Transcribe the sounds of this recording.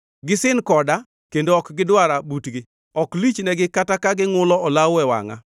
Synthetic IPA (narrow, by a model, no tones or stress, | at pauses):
ɡɪsɪnkɔda | kendoɔkɡɪdwaɾabutɡɪ | ɔklit͡ʃnɛɡɪkatakaɡɪŋʊlɔɔlawɛwa̰ŋa̰